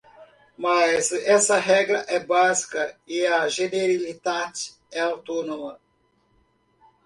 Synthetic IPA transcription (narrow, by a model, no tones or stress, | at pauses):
mɐzɛsɐɦɛɡɾɐʔɛbazi̥kɐiɐʒeneɾilid̪ad͡ʒ | ɛawt̪onomɐ